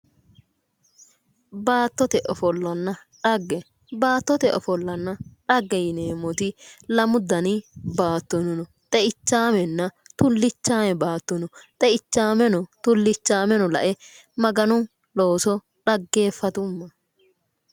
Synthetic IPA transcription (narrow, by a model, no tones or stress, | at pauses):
baːt̪ːɔt̪ɛʔɔfɔlːɐnːɐᶑɐɡːɛ | baːt̪ːɔt̪ɛʔɔfɔlːɐnːɐᶑɐɡːɛjɪneːmɔt̪ɪlɐmʊd̪ɐnɪbaːt̪ːɔnɔnɔ | t̪ʼɛʔɪt͡ʃːaːmɛnːɐ | t̪ʊlːɪt͡ʃːaːmɛbaːt̪ːɔnɔt̪ʼɛɪt͡ʃːaːmɛnɔt̪ʊlːɪt͡ʃːaːmɛnɔlɐ̰ʔɛ | mɐɡɐnʊ | lo̞ːsɔ | ᶑɐɡːe̞ːfːɐt̪ʊmːɐ